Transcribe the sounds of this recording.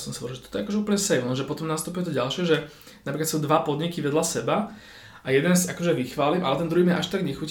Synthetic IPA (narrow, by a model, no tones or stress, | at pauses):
sɔmsaɔɾlʒɛt̪ɔ̥t̪ɔɛakɔʒɛuːpəlɲɛsɛjɔnʒɛpɔt̪ɔmnast̪upuʊjɛt̪ɔɟalʃɪɛʒɛ | napɾikat̪suːd̪ʋapɔd̪ɲikiʋɛd̪lasɛba | ajɛd̪ɛnzakɔʒɛʋixʋaːliːmʔa̰lɛt̪ɛnd̪ɾuimɛ̰ʔaʃt̪aɡɲɛxuc